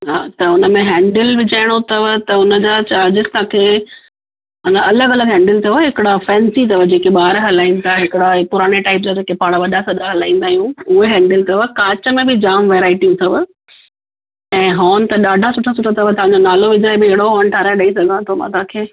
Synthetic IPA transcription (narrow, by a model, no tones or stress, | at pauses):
ɦaːt̪ɐʊnəmẽɦɛ̃ːɳɖəlʋɪd͡ʑaːɪɽ̃ot̪ɐʋ̆t̪ɐʊnə̆d͡ʑat͡ɕaːɾd͡ʑɪzt̪ɐãːkʰeː | ɦanaʔɐləɡɐləɡɦɛ̃ːɳɖɪlt̪ʰɐʋɦɪkɪɽafɛ̃ːnsit̪ɐʋəd͡ʑeːkeɓaːɾɦɐlaːĩːnt̪aɦɪkɪɽaepʊɾaːɽ̃eʈaːɪp̬̚d͡ʑad͡ʑeːkepaːɽ̃aʋɐɗasɐɗaɦɐlaːĩːnd̪aːɦijũʊɦeɦɛ̃ːɳɖɪlt̪ɐʋə̆kaːt͡ɕə̆mẽbɪd͡ʑaːmʋeːɾaːɪʈiũt̪ʰɐʋ | ɛ̃ːɦoːnɪ̆t̪ɐɗaːɖʱasʊʈʰas̬ʊʈʰat̪ʰɐʋət̪ɐʋãɲd͡ʑonaːloʋɪd͡ʑaːɪbɪɪɦɪɽoɦoːn̆ʈʰaːɾaeɗɐisɐɡʱãt̪ʰomã̰t̪aːkʰeː